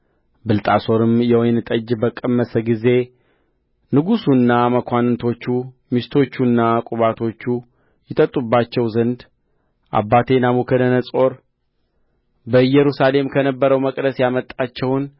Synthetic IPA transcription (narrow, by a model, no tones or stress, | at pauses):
bɨlt̪ʼaso̞ɾɨmjɛwojnt̪ʼəd͡ʒbəkʼəmːəsəɡize̞ | nɨɡusunːaməkʷʰanɨnt̪ʰo̞t͡ʃːu | mist̪ʰo̞t͡ʃːunːakʼuβat̪ʰo̞t͡ʃːu | jɪt̪ʼət̪ʼːubːat͡ʃːɛwzənd̪ | ʔa̰bːat̪ʰe̞namukʰənənəsʼo̞ɾ | bəjɛɾusale̞mkʰənəbːəɾəwməkʼd̪əsjamət̪ʼːat͡ʃːɛwn